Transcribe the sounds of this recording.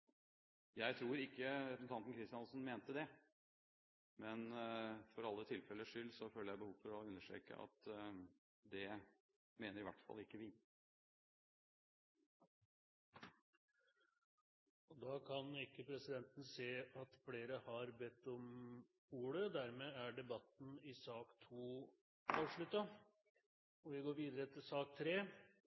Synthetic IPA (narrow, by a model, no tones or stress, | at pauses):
jæɪt̪ʰɾuːɾɪkːəɾɛpn̩t̪ɑnn̩kʰɾɪst̪ɪjɑnlsn̩meːnt̪əd̪ɛ | mɛnfɔɾɑlːət̪ʰɪlfɛlːəʂʏlːsɔføːləjæɪbəhuːʋfɔɾɔʉnːəʂʈɾḛːkə̰ʔɑ̰t̪ | d̪ɛ | meːnəɾɪʋæ̰ʈːfɑ̰lɪkːəʋɪ | ɔd̪ɑːkʰɑnɪkːəpʰɾɛsɪd̪ɛnt̪ən̩seːɑt̪fleːɾəhɑɾbɛt̪ːɔm | uːɽəd̪æɾmeːæɖɛbɑt̪ːn̩ɪsɑːkt̪ʰuː | ɑːʋʂɭʉt̪ːɑ | ɔʋɪɡoːɾʋiːd̪əɾət̪ʰɪlsɑːk̚t̪ʰɾeː